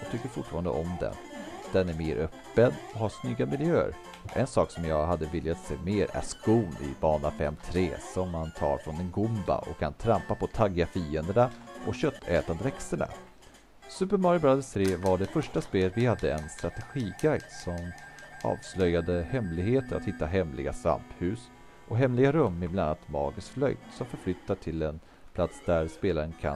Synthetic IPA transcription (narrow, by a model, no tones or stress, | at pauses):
jɑɡt̪ʰʏkːəɾfʊʈːfɑːɾand̪ə̰ʔɔmd̪ɛ̰nd̪̥ɛnæɾmeːɾʔœpːənɔhaʂnʏɡːamɪljøːə̰ɾ | ʔɛnsɑːksɔmjɑːɡɦad̪ːəvɪljat̪sḛːmeːɾæ̰ʂkuːnɪ̰bɑːɳafɛ̰mːt̪ʰɾeːsɔmːant̪ʰɑ̰ːɾfɾɔnɛnɡʊmba̰ʔɔ̰kʰːant̪ʰɾampapɔt̪ʰaɡːafiːənd̪əɳaʔɔkɕœt̪ʰːɛːt̪and̪əɾɛksəɳa̰ | sʉ̟ːpəɾmaɾjʊbɾad̪əst̪ʰɾeːvaɖɛfœʂʈaspeːlvɪhad̪ːəɛnst̪ɾat̪ɛɧiːɡajd̪sɔmɑ̰ːvslœjad̪əhɛmlɪɡheːt̪əɾa̰t̪hɪt̪ːaɦɛmlɪ̰ɡa̰sva̰mphʉ̟ːs | ʔɔɦɛmːlɪɡaɾɵmːɪblannːat̪mɑ̰ːɡəsflœ̰jt̪sɔmfœɾflʏt̪ːaʈʰɪlɛn | pʰlat̪sd̪æɾspeːlaɾənkʰa̰